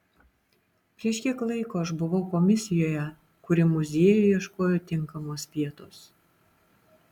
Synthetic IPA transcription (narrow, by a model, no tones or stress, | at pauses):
pʲɾʲiɛʃʲkʲiɛklˠɐɪkoːʃbʊʋɒʊkɔmʲɪsʲɪjoːjɛ | kʊɾʲɪmʊzʲiɛjʊjiɛʃkoːjoːt̪ʲɪŋˑkɐmʊspʲiɛt̪ʊs